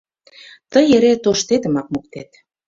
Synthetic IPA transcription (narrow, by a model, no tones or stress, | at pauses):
t̪əjeɾet̪oʃt̪et̪ə̆mɑk̚muk̚t̪et̪